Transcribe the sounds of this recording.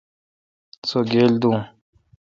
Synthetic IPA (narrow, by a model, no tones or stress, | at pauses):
t͡soɡeːld̪ũː